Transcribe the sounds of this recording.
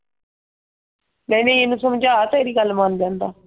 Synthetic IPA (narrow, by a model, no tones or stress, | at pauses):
mɛ̃ːnẽːeːnũːsəmd͡ʒaːt̪ːeːɾiːɡəlmand͡ʒ̪ãːnd̪aː